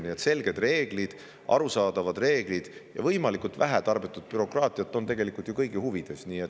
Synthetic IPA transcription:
niet̪se̞lɡ̥e̞d̪re̞ːɡ̥lid̪̥ | ʔɑ̰ɾusɑːd̪̥ɑvɑd̪̥re̞ːɡ̥lid̪̥jɑ̰vɤjmɑlikˑult̪væɦæt̪ɑrbit̪ːˑud̪̥̚pyɾo̞krɑːt̪ˑiɑt̪ːˑo̞nt̪e̞ɡe̞likult̪jukɤjɡ̥ihuvid̪̥e̞sniːe̞t̪ː

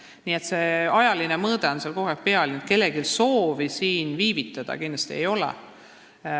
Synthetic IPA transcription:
niːe̞t̪seɑjɑlinemɤːd̪̥eo̞nselko̞ɦekpeɑlint̪ke̞lːeɡilso̞ːvisiːnviːvit̪ːˑɑd̪̥ɑ̰kind̪lɑst̪ie̞̰jo̞lɛ̰

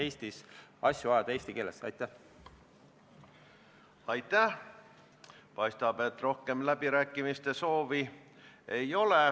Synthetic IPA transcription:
e̞ːsʲt̪isɑsʲjuvɑjɑd̪̥ɑeːst̪ike̞ːlesɑ̰jt̪ˑːæh | ɑjt̪ːˑæh | pɑjst̪ɑb̥e̞t̪ːro̞hke̞mlæbiɾæːkːˑimist̪e̞so̞ːvi | e̞jo̞le

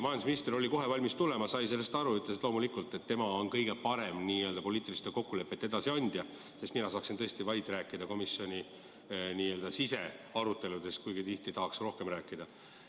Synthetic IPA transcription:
mɑjɑnd̪sminist̪rio̞lʲiko̞ɦe̞vɑlʲmist̪ule̞mɑsɑjse̞lːest̪ɑɾuyt̪ːˑlesit̪lo̞ːmulikult̪ːˑe̞t̪ːe̞mɑo̞nkɤjɡ̥e̞pɑɾe̞mniːø̞ld̪̥ɑpo̞lʲiːt̪ːˑilist̪eko̞kːule̞pːˑet̪ːeed̪ɑsiɑnʲd̪̥jɑ | sest̪minɑsɑːksint̪ɤ̞e̞st̪ivɑjt̪ːˑɾæːkːˑid̪̥ɑko̞misjo̞nʲi | niːø̞ːld̪ɑsise̞ɑɾut̪ːe̞lud̪e̞skujɡ̥it̪iht̪it̪ɑɦɑksro̞hke̞mræːkːˑid̪̥ɑ

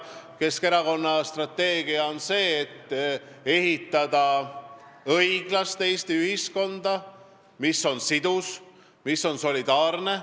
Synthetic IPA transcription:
ke̞skeɾɑko̞nːɑst̪rɑt̪ːe̞ːɡ̥iɑo̞nse̞ːt̪ː | e̞ɦit̪ˑːɑd̪̥ɑ | ɤjɡ̥lɑst̪e̞jst̪iyɦisko̞nd̪̥ɑ | misːo̞nsid̪̥us | misːo̞nso̞lʲid̪ɑːrne̞

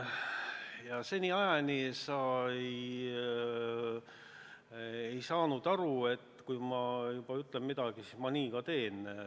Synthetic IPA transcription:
jɑse̞nʲiɑjɑnisɑej | e̞jsɑːnud̪̥ɑɾue̞t̪ːkujmɑjub̥ɑyt̪ːˑlemmid̪̥ɑɡ̥isiːsmɑniːkɑt̪e̞ːn

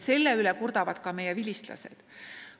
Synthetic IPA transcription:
se̞lːeylekurd̪ɑvɑd̪̥kɑme̞jɛvilʲist̪lɑ̰se̞̰d̪̥

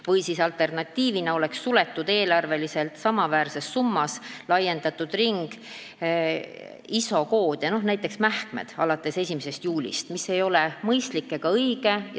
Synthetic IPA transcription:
vɤjsisɑlt̪ˑe̞rnɑt̪ːiːvinɑo̞le̞ksːulet̪ːˑud̪̥e̞ːlɑrve̞lise̞lt̪sɑmɑvæːɾse̞sːumːɑslɑje̞nd̪ɑt̪ːˑud̪riŋɡ̥ | iso̞ko̞ːd̪̥jɑno̞hnæjt̪ːˑe̞ksmæhkmḛd̪̥ɑlɑt̪ːˑe̞se̞sʲimese̞st̪juːlʲḭst̪mise̞jo̞lemɤjst̪likːˑeɡ̥ɑɤjɡ̥e̞j

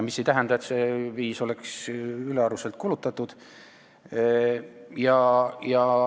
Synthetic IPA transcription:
misːejt̪æɦænd̪ɑet̪seviːso̞le̞ksyleɑɾuse̞lt̪̚kulut̪ːˑɑt̪ːud̪̥ | jɑjɑ

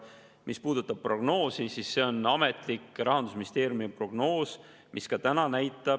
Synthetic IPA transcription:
mispuːd̪̥ut̪ːˑɑb̥̚pro̞ɡ̥no̞ːsisisːe̞o̞nɑme̞t̪ˑlikˑɾɑɦɑnd̪usminist̪eːɾjumiepro̞ɡ̥no̞ːs | mʔiskɑt̪ænɑnæjt̪ːˑɑ

